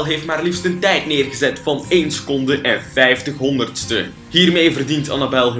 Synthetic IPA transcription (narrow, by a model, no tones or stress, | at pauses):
lˠɦeːftmaːrlifstəntɛjtnɪːrɣəzɛtfɑneːnsə̥kɔndəʔɛnvɛjftəxɦɔndərtstə | ɦiːrmeːjvərdintɑ̰nabɛlˠɦ